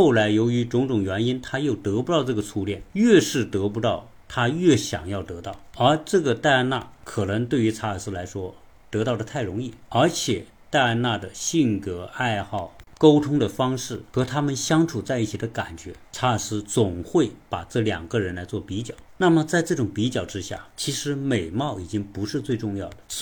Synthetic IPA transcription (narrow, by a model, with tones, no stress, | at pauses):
xo˥˩ʊla˧˥ɪjo˧˥ʊy˧˥ʈ͡ʂʊ˧˥ŋʈ͡ʂʊ˨˩ŋɥɛ˧˥ni˥nt̪ʰa˥jo˥˩ʊt̪ɤ˧˥pu˧˥t̪ɑ˥˧ʊʈ͡ʂɤ˥˩ɡə˩t͡sʰu˧˥ljɛ̰˥˩nɥɛ˥˧ʂɻ̩˥˩t̪ɤ˧˥p̬u˧˥t̪ɑ˥˩ʊ | t̪ʰa˥ɥɛ˥˩ɕjɑ̰˨˩ŋjɑ˥˩ʊt̪ɤ˧˥t̪ɑ˥˩ʊə˞˧˥ʈ͡ʂɤ˥˩ɡə˩t̪a˥˧ɪa˥˧na̰˥˩kʰɤ˨˩nɤ˧˥ŋt̪we˥˩ɪy˧˥t͡sʰa˥˨˩sɹ̩˥la˧˥ɪʂwɔ˥ | t̪ɤ˧˥t̪ɑ˥˩ʊd̪ə˩t̪ʰa˥˩ɪɻʊ˧˥ŋi˥˩ə˞˧˥t͡ɕʰjɛ˨˩ | t̪a˥˧ɪa˥˧na˥˩d̪ə˩ɕi˥˩nkɤ˧˥a˥˧ɪxɑ˥˩ʊko˥ʊt̪ʰʊ˥ŋd̪ə˨fɑ˥ŋʂɻ̩˥˩xɤ˧˥t̪ʰa˥mə˨nɕjɑ˥ŋʈ͡ʂʰu˨˩t͡sa˥˧ɪi˥˩t͡ɕʰi˨˩d̪ə˦ka˨˩nt͡ɕɥɛ˧˥t͡sʰa˥ə˨˩sɹ̩˥t͡sʊ˨˩ŋxwe˥˩ɪpa˨˩ʈ͡ʂɤ˥˩ljɑ̰˨˩ŋɡə˧ɻə˧˥nla˧˥ɪt͡swɔ˥˩pi˧˥t͡ɕjɑ˨˩˦ʊna˥˩mə˩t͡sa˥˧ɪʈ͡ʂɤ˥˩ʈ͡ʂʊ˨˩ŋpi˧˥t͡ɕjɑ˨˩ʊʈ͡ʂɻ̩˥ɕja̰˥˩t͡ɕʰi˧˥ʂɻ̩˧˥me˨˩ɪmɑ˥˩ʊi˨˩t͡ɕi˥ŋpu˧˥ʂɻ̩˥˧t͡swe˥˧ɪʈ͡ʂʊ˥˧ŋjɑ˥˩ʊd̪ə˩